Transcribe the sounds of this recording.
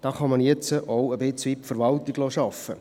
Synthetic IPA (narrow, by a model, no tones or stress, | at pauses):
d̥ɑːχɑmɑnjɛt͡səʔʔɔwəbɪt͡sʋitfəɾʋɑlt̪ɪɡloːʃɑfə̰